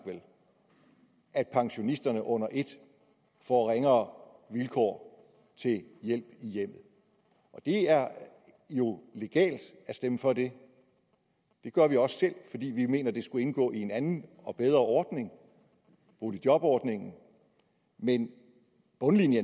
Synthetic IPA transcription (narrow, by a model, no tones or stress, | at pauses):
ʋel | ʔæd̥pʰɑ̈ŋɕo̝nisd̥ɐnəʔɔ̽n̰ɐʔe̝d̥ | fɒʁeŋɐʋilkʰɒ̰ː | t͡sʰe̝ljel̰b̥ijem̰ð̩ˠ | ʔɒ̽d̥e̝æɐ | jo̝le̝ɡ̥ɛ̰ːld̥æsd̥eməfɒ̽de̝ | d̥e̝ɡ̥ɶɐʋiɒ̽ssel̰fɒ̽d̥ḭːʋime̝̰ːnɐd̥e̝sɡ̥ue̝nɡ̥ɔ̰̽ːie̝nænn̩ | ɒ̽b̥eð̞ˠʁɐʔɒːd̥ne̝ŋ | b̥oːlid̥jɒ̽b̥ɒːd̥ne̝ŋn̩ | men | b̥ɔ̽nlinjə